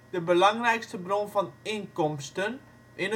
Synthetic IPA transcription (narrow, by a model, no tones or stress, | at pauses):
d̥əbəlɑŋrɛjkstəbronfɔnɪŋkɔmstən | ʔɪnə